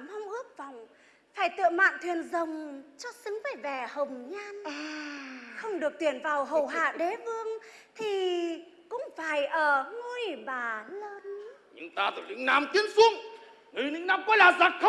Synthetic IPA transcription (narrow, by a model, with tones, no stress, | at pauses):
mɔ˧wŋ͡mʔɨ˦˥ək̚va˨˩wŋ͡m | faː˧˩jt̪ɨ̰˧˨əma̰ː˧˨nt̪ʰwi˨˩ənzə˨˩wŋ͡mt͡ɕɔ˧sɨ˨˦ŋvə˨˩vɛ˨˩hə˨˩wŋ͡mɲa˧n | xə˧wŋ͡mɗɨ˨˩ək̚t̪wi˧˩ənvaː˨˩wɦə˨˩wɦa̰ː˧˨ɗe˨˦vɨ˧əŋt̪ʰi˨˩ | kʊ̰˧˥ŋ͡mfaː˧˩jʔəː˧˩ŋu˧jɓaː˨˩ləː˧nɲɨ̰˧ŋt̪aː˧t̪ɨ˨˩lḭ˧˥˦ŋ̟naː˨˧mt̪i˨˦ənsu˧əŋ | nɨ˨˦nɨ̰˧˥ŋnaː˧mkɔ˧˨˦jlaː˨˩zaː˨˩t̚xʰə˦